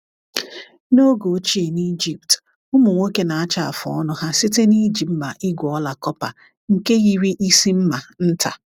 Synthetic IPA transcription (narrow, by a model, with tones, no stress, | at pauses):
no˦ɡo˨˦t͡ʃi˦e˨ni˦d͡ʒi˨pt | ʊ˦mʊ˨ŋʷe˦ke˦na˨a˦t͡ʃa˦a̰˨fʊ˨ɔ˦nʊ˦ɦa˦si˦te˦ni˦d͡ʒi˨m̩˦ma˨ʔi˦ɡʷɔ˦la˨kɔ˦pa̰˨ | ŋ̩˨ke˦ɣi˦ɾi˦ʔi˦si˦m̩˦ma˨n̩˦tʰa̰˨